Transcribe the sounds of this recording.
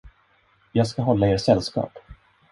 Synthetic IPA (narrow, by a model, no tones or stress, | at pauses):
jɑːɡskaɦɔlːaeːʈsɛlːskɑ̰ːp